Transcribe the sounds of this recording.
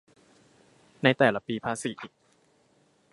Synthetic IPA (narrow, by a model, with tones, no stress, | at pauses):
na˧jt̪ɛː˨˩la˧piː˧pʰaː˧si˨˩˦ʔiː˨˩k̚